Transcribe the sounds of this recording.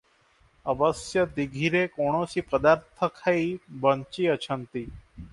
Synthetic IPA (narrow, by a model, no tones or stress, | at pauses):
əʋəsjəd̪iɡʱiɾekoɽ̃õsiːpəd̪aːɾt̪ʰəkʰaibənt͡ʃiːət͡ʃʰənt̪iː